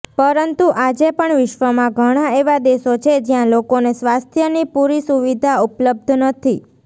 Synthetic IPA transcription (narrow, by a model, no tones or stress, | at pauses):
pəɾənt̪uʔad͡ʒepəɳʋɪʃʋəmãɡʱəɽ̃aeʋad̪esot͡ʃʰed͡ʒjãlokonesʋast̪ʰjənipuɾisuʋid̪ʱaupləb̚d̪ʱnət̪ʰi